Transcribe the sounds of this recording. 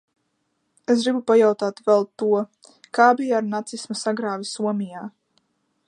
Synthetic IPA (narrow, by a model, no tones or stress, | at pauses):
es̬ɡɾibupajawt̪aːt̪vɛlˠt̪ːuɔ | kaːbijaaɾnat̪sismasaɡɾaːvʲisuɔmʲijaː